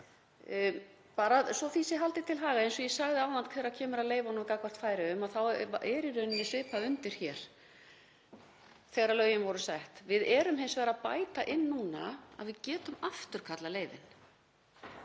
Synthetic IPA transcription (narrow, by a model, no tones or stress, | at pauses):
paːɾaðsɔθisɪɦalt̪ɪt̪ʰɪlɦaːɣaejnsɔjɛsaɣðɪaːwðant̪kʰvɛːɾacʰɛːmʏɾaðleːjvanavkakvḁt̪faːjɾɪʏmaðθawɛɾɪɾʏnnɛsɪːpaʏnt̪ɪɾ̥çɛɾ̥ | θɛːɣaɾaðlœːɥjɪnvɔɾʏsɛht̪vɪðɛːɾʏmɦɪnsvɛːɣɾaðpa̰ːjt̪aʔɪnːuːna̰a̰ðvɪðcɛːt̪ʏmaft̪ʏɾ̥kʰat̪laleːjvɪ̰n